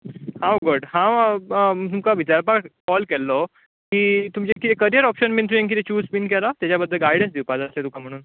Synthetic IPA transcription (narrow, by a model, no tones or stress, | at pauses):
hawɡɔɖɦã | t̪umkaʋit͡ɕaɾpaʈkɔlkɛlːɔ | kiːt̪umt͡ɕekit̪ʰɛkəɾijəɾɔpɕənmĩnt̪ɾuẽŋk̬it̪ʰɛt͡ɕuːspinkɛlat̪jat͡ɕjabəd̪ʱːəlɡajɽə̃nsd̪ʱiwpad͡zəslet̪ukʰam̤əɽ̃uːn